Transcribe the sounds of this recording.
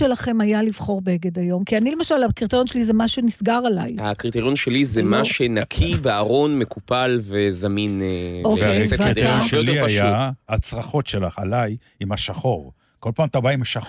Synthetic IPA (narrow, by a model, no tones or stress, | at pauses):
elaχe̞majalivχo̞ʁbeeɡed̪ajo̞mkianile̞maʃalakʁit̪eʁjonʃelizemaʃunisɡaʁalajhakʁit̪eʁjonʃelizemaʃenakʰiveaʁo̞nme̞kupalvezamineoeavit̪ejoʃeliaajaat͡sʁaχo̞tʃelaχalaj | imaʃaχo̞ʁ | ko̞lpaːmat̪abaimhaʃa